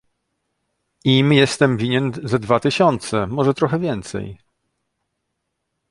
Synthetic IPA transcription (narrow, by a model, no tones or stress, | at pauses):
imjɛst̪ɛmvʲiɲɛnzɛd̪vat̪ɘɕɔnt̪sɛmɔʐɛt̪ɾɔxɛvʲjɛnt̪sɛ̰j